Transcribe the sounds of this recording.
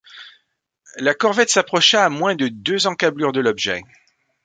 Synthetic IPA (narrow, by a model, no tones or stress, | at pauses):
lakɔʁvɛt̪sapχɔʃaːmwɛ̃d̪əd̪øzɑ̃kablyʁd̪əlɔbʒɛ̰